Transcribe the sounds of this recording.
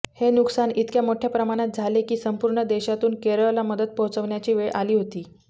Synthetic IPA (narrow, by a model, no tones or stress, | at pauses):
henuksanit̪kjamoʈʰjapɾəmaɽ̃at̪̚d͡zʱalekiːsəmpuːɾɳəd̪eɕat̪uːnkeɾəɭlaməd̪əd̪̚pəɦut͡səʋɳjat͡ɕiːʋeɭʔaliːɦot̪iː